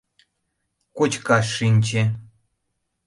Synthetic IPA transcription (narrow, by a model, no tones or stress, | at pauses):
kot͡ɕkɑʂinʲt͡ɕĕ